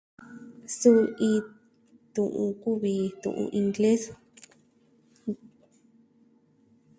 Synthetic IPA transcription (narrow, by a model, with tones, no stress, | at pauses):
su˦ĩ˧ | t̪ũ˨ʔũ˧ku˦βi˧t̪ṵ̃˨ʔṵ̃˧ʔĩ˧ŋɡle˦s